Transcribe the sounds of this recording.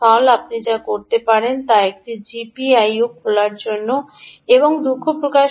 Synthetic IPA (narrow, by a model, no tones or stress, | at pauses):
ɔlap̚nid͡ʑakoɾt̪epaɾent̪aek̚ʈid͡ʑipiajokʰolaɾd͡ʑonːo | eboŋd̪ukʰːopɾokaʃ